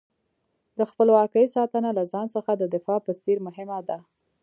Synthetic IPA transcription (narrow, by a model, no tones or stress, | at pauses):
d̪əxpəlwɑkəjsɑt̪ənalazɑnsəxad̪əd̪ɪfɑpəsiɾmʊɦɪmad̪a